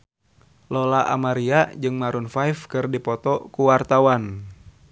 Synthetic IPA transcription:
lɔlaʔa̰maɾiad͡ʒɨŋmaɾunfaifkɨrdipɔt̪ɔkuwart̪awan

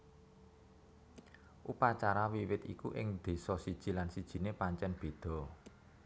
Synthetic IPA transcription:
ʔupat͡ʃaɾawiwɪt̪ḭkuʔɪ̰ŋd̪̥e̤sɔsid̥ʒ̥i̤lansid̥ʒ̥i̤nepaɲt͡ʃɛnb̥e̤d̪̥ɔ̤

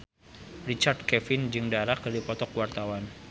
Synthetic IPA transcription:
rit͡ʃard̚kɛfɪnd͡ʒɨŋdaɾak̚dipɔt̪ɔkwart̪awan

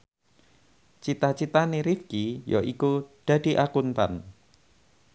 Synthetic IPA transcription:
t͡ʃit̪at͡ʃit̪aneɾifkijoʔikud̪̥a̤d̪̥i̤ʔakunt̪a̰n

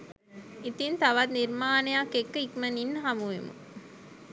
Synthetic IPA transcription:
it̪int̪ɐʋɐt̪niɾmaːnejakːekːikmɐninːɦɐmuʋḛmṵ

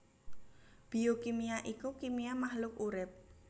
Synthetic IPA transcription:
b̥iokimijaʔikukimijamahlʊk̚uɾɪp̚

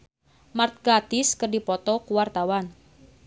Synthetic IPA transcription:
mart̪̚ɡat̪ɪskərdipɔt̪ɔkuwart̪awan

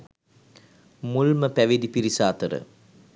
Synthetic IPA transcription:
mulməpæʋed̪ipiɾisaːt̪əɾə̰

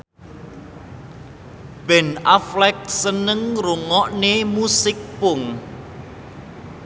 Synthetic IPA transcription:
b̥ɛnaflɛk̚sənəŋruŋɔʔnemusɪk̚pʊŋ

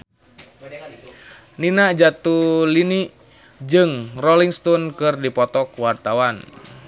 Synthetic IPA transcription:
ninaʔd͡ʒat̪uliniʔ | d͡ʒɨŋrɔliŋst̪ɔnkɨrdipɔt̪ɔkwart̪awan

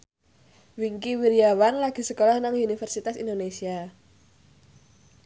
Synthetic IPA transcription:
wiŋkiwiɾiawanlaɡ̥i̤səkolɔhnaŋunifərsit̪asḭnd̪onesia

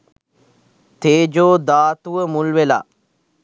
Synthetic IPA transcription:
t̪eːd͡ʒoːd̪aːt̪uʋəmulʋela̰ː

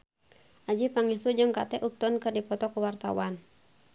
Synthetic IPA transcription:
ʔad͡ʒipaŋɛsud͡ʒɨŋkat̪ɛʔup̚t̪ɔnkɨrdipɔt̪ɔkuwart̪a̰wan

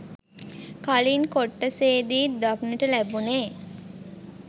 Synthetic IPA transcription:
kalinkoʈːəseːd̪iːd̪akniʈəlæbuneː

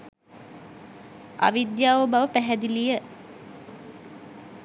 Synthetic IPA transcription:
a̰ʋid̪jaːʋobaʋəpæɦæd̪ilijə

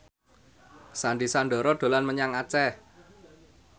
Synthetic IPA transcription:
sanɖisanɖɔ̤ɾɔɖ̪̥o̤lanməɲaŋat͡ʃɛ

